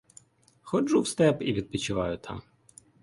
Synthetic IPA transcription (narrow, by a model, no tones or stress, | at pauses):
xɔʒuwst̪ɛpiʋʲid̪̚pʲit͡ʃɪʋɑjʊt̪ʰɑ̰m